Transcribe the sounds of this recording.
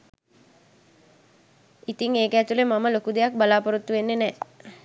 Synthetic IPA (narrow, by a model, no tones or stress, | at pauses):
it̪iŋeːkəæt̪ulemaməlokud̪ejak̚balaːpəɾut̪ːuʋenːenɛː